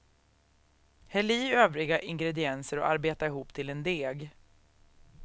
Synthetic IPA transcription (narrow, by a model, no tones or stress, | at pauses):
hɛliːøːvɾɪɡaʔɪŋɡɾɛd̪ɪɛnsəɾɔ̰ʔaɾbeːt̪aɪɦuːpːt̪ʰɪlɛnd̪eːɡ